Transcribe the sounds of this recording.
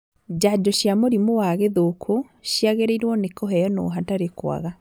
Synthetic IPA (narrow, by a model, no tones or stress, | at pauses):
d͡ʑad͡ʒɔɕjamoɾimowaɣeðokʰo | ɕjaɣeɾeiɾwɔnekɔɦɛjɔnɔ̰ɦataɾekwa̰ɣa